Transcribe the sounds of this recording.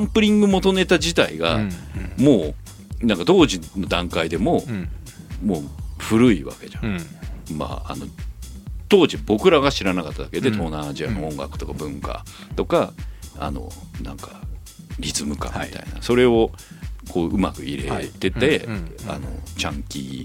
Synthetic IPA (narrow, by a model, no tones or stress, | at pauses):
ãmpɯ̟ɾʲĩŋɡɯ̟mo̞t̪o̞ne̞t̪ad͡ʑit̪aiɡa̰mo̞ː | nãŋkat̪o̞ːʑino̞d̪ãŋkaid̪e̞mo̞ | moːɸɯ̟ɾɯ̟iβa̰ke̞d͡ʑã̰ma̰a̰no̞̰ | t̪o̞ːʑibo̞kɯ̟ɾaɡaɕiɾanakat̪ːad̪ake̞d̪e̞t̪o̞ːnaːd͡ʑia̰noõ̞ŋɡa̰kɯ̟̥t̪o̞kabɯ̟̃ŋka̰ | t̪o̞kaa̰no̞̰ | nã̰ŋkḁ | ɾʲizɨmɯ̟kã̰miit̪a̰ina̰so̞ɾe̞o̞ | kʰo̞ːʔɯ̟makɯ̟iɾe̞t̪e̞t̪e̞a̰no̞̰t͡ɕãŋkʲḭ